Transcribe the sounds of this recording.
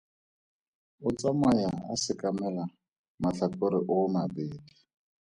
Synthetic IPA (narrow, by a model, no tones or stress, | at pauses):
ʊt͡sʼamajaa̰sɪkʼamɛla | maɬatoɾɪʔʊmabeːdi